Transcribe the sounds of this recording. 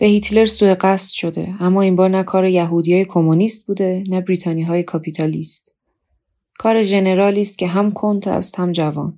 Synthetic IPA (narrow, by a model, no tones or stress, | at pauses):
b̥ehit̪ʰle̞ɾsuːeɢæst̪ʃo̞d̪e̞̰æmːɒːiːmbɒːɾnækʰɒːɾejæɦuːd̪ijɒːjekʰomoniːst̪̚buːd̪e̞næbɾiːt̪ʰɒːniːɦɒːjekʰɒpʰit̪ʰɒliːst̪ | kʰɒːɾe̞ʒe̞ne̞ɾɒːliːst̪̚cʰe̞ɦæmkʰont̪ʰæ̰st̪hæmd͡ʒævɒ̰ːn